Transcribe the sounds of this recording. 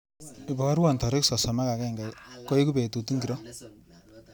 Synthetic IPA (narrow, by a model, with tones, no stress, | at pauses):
i˨bɔ˨ka˦ɾwa˨ntɔ˨ɾɪ˦ksɔ˨sɔ˨ma˦ka˨kɛ˦˨ŋɡa˨kɔ˦i˦ku˦be˨tu˨tu˦ŋɡi˨ɾɔ˦